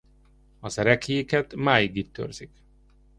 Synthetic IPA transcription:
ɒzɛɾɛkiikɛt̪maːjiɡit̪ːø̰rz̥ik

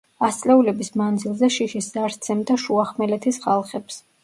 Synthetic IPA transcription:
ast̪sʼlɛulɛbismand̪zilˠzɛʃiʃiszaɾt̪sʰɛmd̪aʃuaχmɛlɛt̪ʰisχalˠχɛps

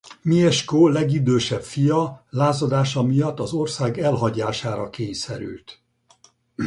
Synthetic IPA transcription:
miɛʃkoːlɛɡid̪øːʃɛpfijɒlaːzod̪aːʃɒmijɒt̪ːɒzo̞rsaːɡɛlɦɒɟaːʃaːɾɒkeːɲsɛɾy̰lt̪

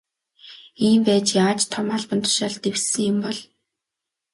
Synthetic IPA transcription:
iːmpæːt͡ɕjaaːt͡ɕt̪ʰːɔmaɮpə̆nt̪ʰʊ̥ʃaɮt̪ewsɘ̆ŋjʊmpɔɮ

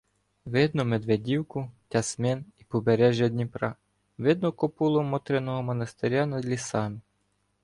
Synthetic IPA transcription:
ʋɪd̪nʊmed̪ʋedʲiwkʊtʲɐsmɛnipɔbeɾɛʒʲjɐd̪ʲnʲipɾɑ | ʋɪd̪nɔkɔpulˠɔmɔt̪ɾenɔɦɔmɔnɐst̪eɾʲɑnɐd̪lʲisɑnɪ

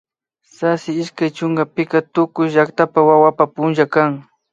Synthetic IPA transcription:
sasɪɪʃkajt͡ʃʊŋɡapɪkat̪ʊkʊjʒakt̪apawawapapʊnʒakaŋ

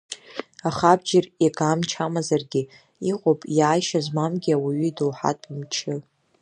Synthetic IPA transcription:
aχab̚d͡ʒɪrekʰʼamt͡ʃʰamazarɡʲɪ | iqʼopʼjaːjʃazmamɡʲiawiɥiduwħa̰tʼmt͡ʃʰɪ

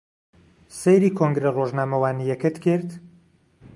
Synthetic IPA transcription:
sejɾiːkʰoŋɡɾeroʒnaːmɐwaːnijɛkɨt̪kɪɾt̪

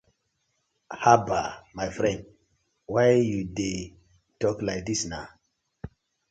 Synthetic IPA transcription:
habamajfɾɛ̃nd̚ | wajjude | tɔklajk̚d̪isna̰

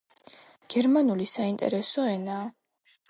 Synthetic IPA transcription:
ɡ̥ɛɾmanulisaint̪ʼɛ̰ɾɛsɔɛnaː

